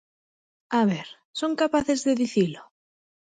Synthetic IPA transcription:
aβeɾ | soŋkapaθezðeðiθilo

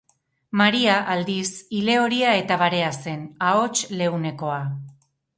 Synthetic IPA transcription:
maɾiaʔald̪isile̞o̞ɾiae̞t̪aβaɾe̞ase̞nao̞t͡ʃle̞wne̞ko̞a

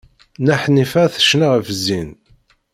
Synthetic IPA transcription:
næħnifæθə̥ʃnaʁəfzin

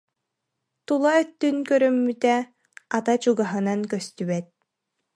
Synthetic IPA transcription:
t̪ulˠaœt̪ːynkœɾœmːyt̪ɛ | at̪at͡ɕuɡaɦɯnankœst̪yβɛt̪̚

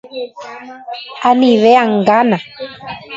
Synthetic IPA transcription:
aniβeaŋɡana

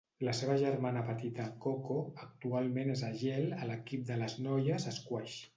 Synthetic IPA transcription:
ləseβəʒəɾmanəpət̪it̪əkokoək̚t̪ualˠmenezaʒɛlələkip̚d̪ələznɔjəzəskwɛʃ

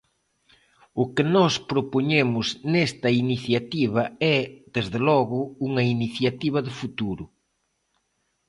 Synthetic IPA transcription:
ʊkɪnɔspɾopoɲemʊznest̪ɐiniθjat̪iβ̞ɐɛd̪ezðɪlɔɣʊuŋɐiniθjat̪iβ̞ɐðɪfut̪uɾʊ

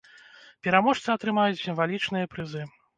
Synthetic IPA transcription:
pʲɛɾamɔʂt̪sɨɐt̪ɾɨmajut͡sʲsʲimvalʲit͡ʂnɨjɐpɾɨzɨ

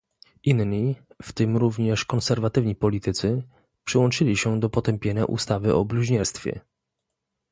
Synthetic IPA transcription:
ʔinɲift̪ɘmɾuvɲɛʂkɔnsɛɾvat̪ɘvɲipɔlʲit̪ɘt̪sɘ | pʂɘwɔnt͡ʂɘlʲiɕɛd̪ɔpɔt̪ɛmpʲjeɲa̰ʔṵst̪avɘʔɔ̰bluʑɲɛɾst̪fʲjɛ̰

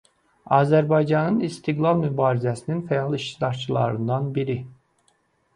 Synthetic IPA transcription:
ɑːzæɾbɑjd͡ʒɑnɯnist̪ʰiɡlˠɑlˠmybɑːɾizæsininfæjɑlˠiʃt̪id̪ɑɾt͡ʃʰɯlˠɑ̰ɾɯnd̪ɑnbiɾi

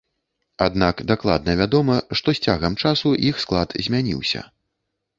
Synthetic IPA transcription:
ad̪nakd̪aklˠa̰d̪̚nɐvʲad̪ɔmɐʂt̪ɔsʲt͡sʲaɣɐmt͡ʂasuʔixsklˠat̪zʲmʲanʲḭwsʲɐ̰

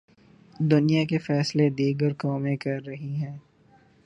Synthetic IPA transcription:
d̪ʊnijakefɛːsled̪iːɡəɾkɔːmẽkɐɾːɐɦiɦɛ̃ː

